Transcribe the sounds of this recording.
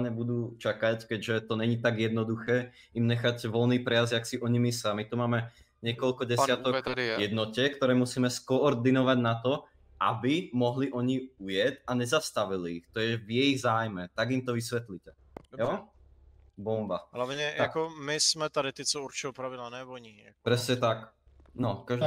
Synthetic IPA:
ɲɛbud̪uːt͡ʃakackɛɟʒɛt̪ɔɲɛɲit̪aɡjɛd̪nɔd̪uxɛː | imɲɛxaɟʋɔlniːpɾɛjazaksiʔɔɲimisamit̪umaːmɛ | ɲɛkɔlkɔɟɛɪat̪ɔkjɛd̪nɔcɛkt̪ɔɾɛːmusiːmɛskɔːɾd̪inɔʋaɟnat̪ɔ | ʔabimɔɦliʔɔɲiujɛtaɲɛzast̪aʋiliːxt̪ɔjɛvjɛjiɣzaːjmɛt̪aɡimt̪ɔʋisʋɛt̪licɛ | jɔ | bɔmbaɦlaʋɲɛjakɔmɪsmɛt̪adɪt̪ɪt͡sɔuɾt͡ʃɪɔpɾaʋidlanɛvɔɲipɾɛsɲɛt̪ak | nɔkaʒ

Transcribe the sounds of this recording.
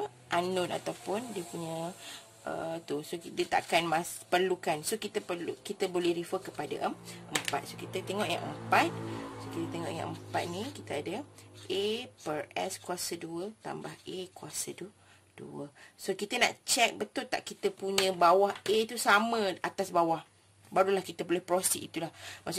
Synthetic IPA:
ʔanʊna̰t̪awpʊndiəpuɲə | ʔə̰t̪usokid̪iət̪a̰ʔakanmaspərlukansokit̪əpəlukit̪əbolɛhɾifəkəpada̰ʔəmʔəmpa̰t̪̚sokit̪ət̪eŋɔʔja̰ŋʔə̰mpat̪̚sokit̪ət̪eŋɔ̰ʔja̰ŋʔəmpat̪̚nĩkit̪əadəʔepərɛskuasəduət̪a̰mbahʔekuasədu | d̥ṵəsokit̪ənã̰ʔt͡ʃɛk̚bət̪ʊlt̪a̰ʔkit̪əpuɲə̃bawahʔet̪usamə̃at̪asbawah | baɾulahkit̪əbolɛhpɾosiʔit̪ulahmaʔs

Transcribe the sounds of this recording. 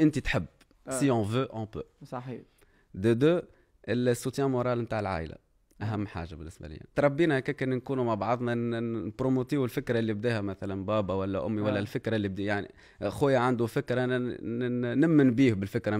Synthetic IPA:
ʔɪnt̪it̪ħɪbː | siɔ̃vøʔɔ̃pø̰ːsɑ | d̪əd̪øː | ʔɪlsːut̪jæ̃moɾˤaːlmt̪aːʕɪlʕa̰ːʔla̰ | ʔæɦæmːħa̰ːʒabɪnːɪsbæ̰lɪ̰j̰t̪ɾˤɑbːiːnaʔkɛːkɪnnkuːnumabʕɑðˤnɑnpɾomot̪iːwɪlfɪkɾˤɑʔlːibd̪ɛːhæmæθælænbaːbawælːæʔʊmːiwælːɛlfɪkɾˤɑlːibd̪ijaʕnḭ | xojːaʕand̪ufɪkɾɑʔn | næmːɪnbiːhbɪlfɪkɾɑ

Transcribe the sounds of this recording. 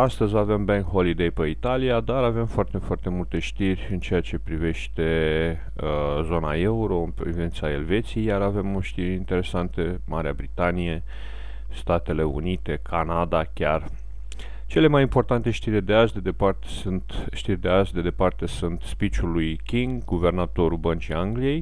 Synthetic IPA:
ast̪əzʲave̞mbeŋkho̞lid̪ejpəit̪aliad̪aɾave̞mfoart̪e̞foart̪e̞mult̪e̞ʃt̪irʲɨnt͡ʃe̞jat͡ʃe̞pɾive̞ʃt̪e̞ | əzo̞nae̞uɾo̞ɨnpɾivint̪sae̞lve̞t̪sijejaɾave̞moʃt̪iɾint̪e̞ɾe̞sant̪e̞maɾeabɾit̪anije̞ | st̪at̪e̞le̞ṵnit̪e̞kʰanad̪akʲar | t͡ʃe̞le̞majimpo̞rt̪ant̪e̞ʃt̪iɾʲd̪e̞aʒd̪e̞d̪e̞part̪e̥sɨnt̪ʃt̪irʲd̪eaʒd̪e̞d̪e̞part̪e̞sunt̪spit͡ʃulujkʲiŋɡːuve̞rnat̪o̞ɾubənt͡ʃiaŋɡlije̞j

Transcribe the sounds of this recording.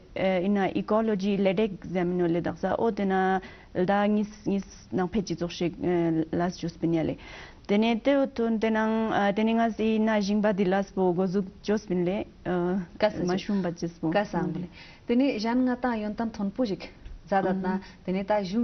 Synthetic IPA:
inːaʔikɔlod͡ʑileɖekzaminoled̪a̰χsaʔot̪ena | ld̪aŋisŋis | naŋpʰet͡ɕit͡soχɕelasd͡ʑospinjalʔe | t̪enet̪et̪ʰont̪enaŋt̪eneŋasinaʑiŋbad̪ilaspoɡozuk̚t͡ɕospinle | kamaʃumbat͡ɕispokasaŋble | t̪eneʑanŋat̪aŋjont̪ant̪ʰonpoʑikzad̪at̪̚nat̪enet̪aʑuŋ

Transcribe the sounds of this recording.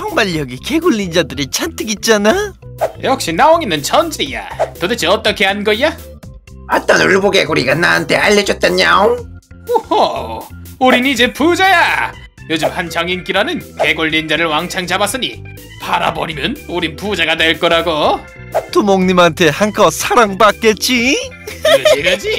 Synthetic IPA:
t͡ɕʰʌŋbaʎːʌɡike̞ɡuɭːind͡ʑadɯɾit͡ɕʰantʰɯɡit̚t͡ɕ͈ana | jʔʌk̚ɕ͈inaoŋinɯnt͡ɕʰʌnd͡ʑija̰todet͡ɕʰiʌt͈ʌkʰe̞anɡʌia | at͈anuɭboɡeɡuɾiɡanaːntʰe̞aʎːʌd͡ʑʌt͈̚aɲːao | oho | uɾinid͡ʑepud͡ʑaja | jod͡ʑɯmhant͡ɕʌŋink͈iɾanɯnke̞ɡoɭːind͡ʑaɾɯɭwaŋt͡ɕʰaŋt͡ɕabas͈ɯɲi | paɾa̰bʌɾimjɯnuɾinpud͡ʑaɡadeɭk͈ʌɾaɡo | tumoŋɲimantʰe̞hankʰʌsʰaɾaŋpak͈et̚t͡ɕ͈i | ɾʌiɾʌd͡ʑi

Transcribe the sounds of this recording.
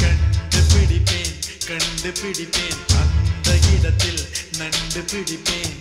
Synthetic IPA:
kɐɳɖɯpɪɽɪpːeːnkɐɳɖɯpɪɽɪpːeːnɐnd̪ɐʔɪɽɐt̪ːɪlnɐɳɖɯpɪɽɪpːeːn

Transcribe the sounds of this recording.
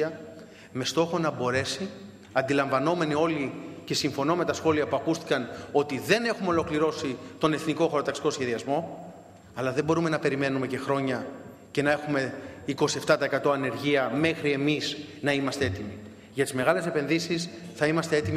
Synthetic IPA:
ɐ | me̞st̪o̞xo̞nɐbo̞ɾe̞si | ɐnd̪ilɐɱvɐno̞me̞nio̞lice̞siɱfo̞no̞me̞t̪ɐsxo̞liɐpuɐkust̪i̥kɐno̞t̪iðe̞ne̞xumeo̞lo̞kliɾo̞sit̪o̞ne̞θniko̞xoɾot̪ɐksi̥ko̞sçe̞ðiɐzmo̞ | ɐlɐðembo̞ɾumenɐpe̞ɾime̞nume̞ce̞xɾo̞ɲɐ | ce̞nɐe̞xume̞iko̞sie̞ft̪ɐt̪ɐekɐt̪o̞ɐne̞ɾʝiɐme̞xɾie̞miznɐimɐst̪ee̞t̪imi | ʝɐt̪izme̞ɣɐle̞se̞pe̞nðisisθɐimɐst̪eet̪im

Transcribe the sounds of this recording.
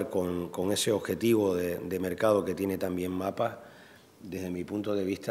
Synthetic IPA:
ɾkoŋko̞ŋe̞se̞o̞βxe̞t̪iβ̞o̞ðed̪e̞me̞ɾkað̞o̞ke̞t̪je̞ne̞t̪ambje̞ŋmapa | d̪e̞ɦðe̞mipunt̪oðe̞βiht̪a

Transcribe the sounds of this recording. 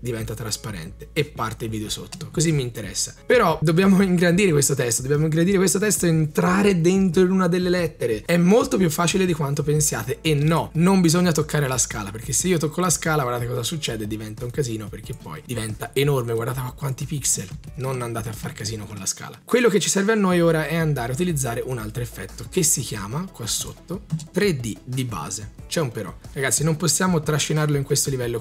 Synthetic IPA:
d̪ivɛnt̪at̪ɾaspaɾɛ̰nt̪eepːart̪eilviːd̪eoso̰t̪ːokozimːiːnt̪eɾɛ̰sːapeɾɔd̪objaːmoiŋɡɾand̪iɾekwest̪ot̪ɛst̪od̪objaːmoiŋɡɾand̪iɾekwest̪ot̪ɛst̪oent̪ɾaːɾed̪ent̪ɾoinunad̪elːelɛt̪ːeɾeɛmːolt̪opjufːaːt͡ʃiled̪ikwant̪opensja̰ːt̪eenːɔnombizoɲːat̪okːaːɾelaska̰ːlaperk̟esːeiːot̪okːolaskaːlaɡwaɾd̪aːt̪ekɔzasut͡ʃːɛːd̪ed̪ivɛnt̪auŋkaziːnoperk̟epːɔ̰jd̪ivɛnt̪aenormeɡward̪at̪fakːwant̪ipikselnonand̪aːt̪eafːarkaziːnokonlaska̰ːlakwelːoket͡ʃːisɛrveanːojoːɾaɛand̪aːɾeaut̪ilid̪zːaːɾeʔunalt̪ɾoefːɛt̪ːokesːik̟ja̰ːmakwasːo̰t̪ːot̪ɾed̪id̪iba̰ːzet͡ʃɛumpeɾɔ̰raɡat̪sːinomposːjaːmot̪ɾaʃːinarloiŋkwest̪olivɛlːo

